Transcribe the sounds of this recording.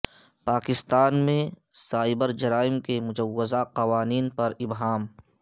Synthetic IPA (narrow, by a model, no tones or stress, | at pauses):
paːkɪst̪aːnmẽsaːɪbəɾd͡ʒɐɾaːɪmkemʊd͡ʒɐwːɪzaqɐʋaːniːnpɐɾɪbɦaːm